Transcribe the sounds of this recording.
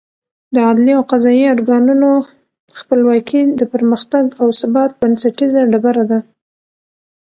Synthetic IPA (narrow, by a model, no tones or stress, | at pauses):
d̪əɑd̪liawqazɑioɾɡɑnuno | xpəlwɑkʰid̪əpəɾməxt̪aɡawsabɑt̪̚bansaʈizaɖabaɾad̪a